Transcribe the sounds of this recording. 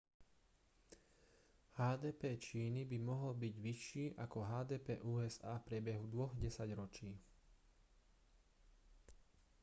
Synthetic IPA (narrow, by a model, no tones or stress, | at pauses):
haːd̪ɛːpɛːt͡ʃiːnibimɔɦɔlbiɟʋiʃiːʔakɔɦaːd̪ɛːpɛ̰ːʔuːɛzaːfpɾʲɪɛbɛɦud̪ʋɔɣɟɛsaɟɾɔt͡ʃiː